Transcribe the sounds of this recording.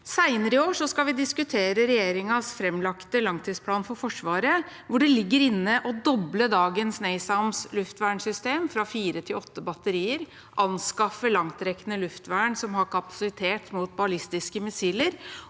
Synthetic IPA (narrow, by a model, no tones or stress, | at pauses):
sæɪnəɾɪoːʂɔskɑʋɪd̪ɪskʉt̪ʰeːɾəɾɛjeːɾɪŋɑsfɾɛmːlɑkt̪əlɑŋt̪ʰiːspʰlɑːnfɔɾfɔʂʋɑːɾəʋʊɖɛlɪɡːəɾɪnːəʔɔd̪ɔbləd̪ɑːɡənsneːɪsɑmslʉft̪ʋæːɳsʏst̪eːmfɾɑfiːɾət̪ʰɪlɔt̪ːəbɑt̪ːəɾiːəɾ | ʔɑnskɑfəlɑŋt̪ɾɛkənəlʉft̪ʋæːɳsɔmhɑɾkʰɑpɑ̥sɪt̪ʰeːt̪muːt̪̚bɑlɪst̪ɪskəmɪsiːləɾ